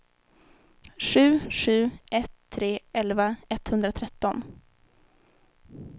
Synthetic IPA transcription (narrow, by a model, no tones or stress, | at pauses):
ɧʉ̟ːɧʉ̟ːʔɛt̪ʰːɾeːɛlvaɛt̪hɵnd̪ɾat̪ʰɾɛt̪ːɔn